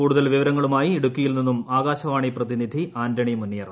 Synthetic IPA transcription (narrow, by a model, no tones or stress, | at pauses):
kuːɽuðɐlʋiʋɐɾɐŋːɐɭumaːjieɽukʲːujilninːumaːɣaːɕɐʋaːɳiprɐðinid̪ʱiaːndɐɳimunːijɐrɐ